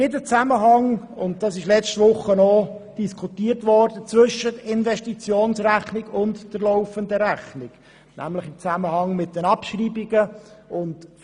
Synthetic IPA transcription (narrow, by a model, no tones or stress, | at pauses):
jedət͡sæməɦɑŋ | ʊnt̚d̥ɑsɪʃlɛt͡stvʊχːənɔd̥iskʰutiːəɾtvɔɾdət͡sʋʏʃːətɪnvɛʃtit͡sjoːnsræχnɪɡʊntd̥əɾloʊfəndəɾæχnɪɡ̥ | nʔæ̰mləχɪmt͡sæməhɑŋmɪt̚d̥ənɑpʃriːbiɡəʊnt